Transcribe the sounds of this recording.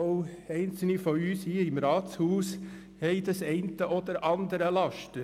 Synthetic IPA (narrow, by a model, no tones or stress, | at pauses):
ʊɛɪnt͡sl̩nifɔyːshiːɪmɾɑːtshuːs | hɛɪd̪ɑsɛɪntəʔɔd̪əɾʔɑnd̪əɾəlɑʃtə